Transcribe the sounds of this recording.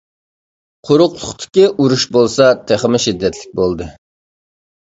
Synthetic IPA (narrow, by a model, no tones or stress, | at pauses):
qʰoɾʊqlˠʊχt̪ʰɪ̥kʲiʔuɾuʃbolˠsɑt̪ʰeχmɪʃid̪ːɛt̪ʰlɪk̚ʲbolˠd̪ɨ